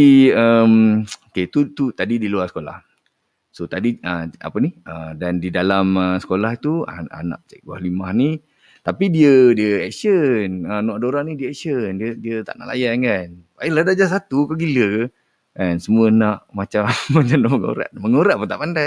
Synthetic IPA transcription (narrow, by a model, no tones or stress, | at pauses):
iəmoket̪ut̪ut̪adidiluarsə̥kola̰h | sot̪adiəa̰pəniədandidalaməsə̥kolahit̪ua̰a̰na̰ʔt͡ʃɛk̚wa̰hlimahni | t̪apidiədiəɛ̰ksənənwaʔdoɾaʔnidiəɛk̚səndiədiət̪a̰ʔna̰ʔla̰jankan | aəladad͡ʒasat̪ukaɡiləkə | kansəmuənaʔmat͡ʃamːat͡ʃamnaʔməŋo̰ɾa̰ʔməŋoɾaʔpənt̪aʔpanda